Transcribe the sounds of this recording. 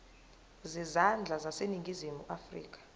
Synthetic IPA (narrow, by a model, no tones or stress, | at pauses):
zizand͡ɮʱazaseniŋɡʱizimuʔafrḭːk̬ʼḁ